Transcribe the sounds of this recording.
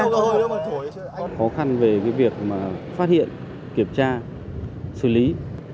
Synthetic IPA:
xɔ˨˦xa˧nve˨˩kaː˨˦jvi˨˩ək̚maː˨˩faː˦˥t̚hḭ˧˨ən | ki˧˩əmt͡ɕaː˧ | sɨ˧˩li˨˦

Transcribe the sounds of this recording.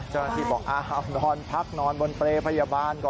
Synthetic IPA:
t͡ɕa˦˥˩wna˧t̪ʰiː˧˩bɔː˨˩k̚ʔaː˧˩ʔa˧˩nɔː˧npʰa˦˥k̚nɔː˧nbo˧npɾeː˧pʰa˧jaː˧baː˧nkɔː˨˩

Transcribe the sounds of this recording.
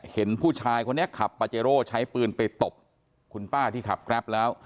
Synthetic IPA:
he˩˦npʰuː˥˩t͡ɕʰaː˧jkʰo˧nːi˦˥ɐkʰa˨˩pːaː˧t͡ɕeː˧ɾoː˥˩t͡ɕʰa˦˥jpɯː˧npa˧jt̪o˨˩p̚ | kʰu˧npaː˥˩t̪ʰiː˥˩kʰa˨˩p̚kʰɾɛ˦˥p̚lɛː˦˥w

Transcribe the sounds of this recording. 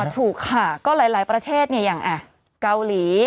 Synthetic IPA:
t̪ʰuː˨˩kʰːaː˨˩kɔː˥˩laː˨˩˦jlaː˩˦jpɾa˧t̪ʰeː˥˩t̪̚ni˥˩əjaː˨˩ŋʔa˨˧˩ | ka˧wliː˩˦

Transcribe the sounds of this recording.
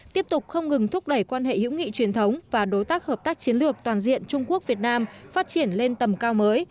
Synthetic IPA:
t̪i˦˥əp̚t̪ʊ˨˩k͡p̚xə˧wŋ͡mŋɨ˨˩ŋt̪ʰʊ˦˥k͡p̚ɗə˧˩jkwaː˧nɦḛ˧˨hḭ˧˥wŋḭ˧˨t͡ɕwi˨˩ənt̪ʰə˨˦wŋ͡mvaː˨˩ɗo˨˦jt̪aː˦˥k̚həː˨˩p̚t̪aː˦˥k̚t͡ɕi˨˦ənlɨ˨˩ək̚t̪waː˨˩nzḭ˧˨ənt͡ɕʊ˧ŋ͡mku˦˥ək̚vi˨˩ət̚naː˧mfaː˦˥t̚t͡ɕi˧˩ənle˧nt̪ə˨˩mkaː˧wməː˨˦j

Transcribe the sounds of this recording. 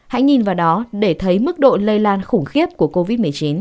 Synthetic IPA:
ha̰ː˧˥jŋɲi˨˩nvaː˨˩wɗɔ˨˦ɗe˧˩t̪ʰə˨˦jmɨ˦˥k̚ɗo̰˧˨lə˧jlaː˧nxʊ˧˩ŋ͡mxi˦˥əp̚ku˧˩əko˧vi˦˥t̚mɨ˨˩əjt͡ɕi˨˦n

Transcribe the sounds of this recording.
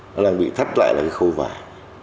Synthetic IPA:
nɔ˨˦laː˧˩ŋɓḭ˧˨t̪ʰa˦˥t̚la̰ː˧˨jlaː˨˩ka˨˦xə˧wva̰ː˨˩˦j

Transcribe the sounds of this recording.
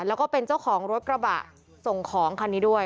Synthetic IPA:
lɛː˦˥wkɔː˥˩pe˧nt͡ɕa˥˩wkʰɔː˩˦ŋɾo˦˥t̪̚kɾa˧ba̰ː˨˩t̪̚ | so˨˩ŋkʰɔː˩˦ŋkʰa˧nːiː˦˥du˥˩əj

